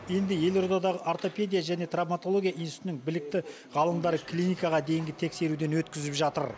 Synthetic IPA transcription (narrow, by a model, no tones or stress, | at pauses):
je̞nd̪ɪje̞lˠo̞rd̪ɑd̪ɑʁəʔaɾt̪o̞pʲe̞d̪ʲijaʒæne̞t̪ramat̪olˠo̞ɡʲijaʔijnsnɪŋ̚bɪlɪk̚t̪ɪ | ʁɑlˠəmd̪ɑɾəklʲinijkɑʁɑd̪e̞jɪŋɡʲɪt̪ʰe̞kse̞ɾud̪e̞nwɵt̪kʲɪzɪpʒɑt̪ə̰ɾ